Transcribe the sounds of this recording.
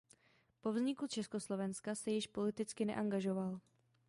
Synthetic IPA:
po̞vzɲɪkut͡ʃɛsko̞slo̞vɛnskasɛjɪʃpo̞lɪt̪ɪt͡skɪnɛ̰ʔaŋɡaʒo̞val

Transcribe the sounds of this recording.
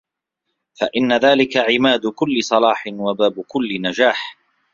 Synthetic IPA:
faʔɪnːaðaːlɪkaʕɪmaːd̪ʊkʊlːɪsˤɑlɑːħɪnwabaːbʊkʊlːɪnad͡ʒaːħ

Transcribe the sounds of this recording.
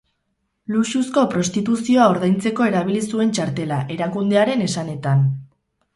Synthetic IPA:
luʃusko̞pɾo̞st̪it̪usio̞ao̞ɾðajnt͡se̞ko̞e̞ɾaβ̞ilisue̞nt͡ʃaɾt̪e̞laʔe̞ɾakund̪e̞aɾe̞ne̞sane̞t̪an

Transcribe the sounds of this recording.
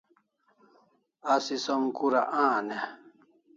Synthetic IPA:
asisɔŋkuɾa̰ʔãːnɛ

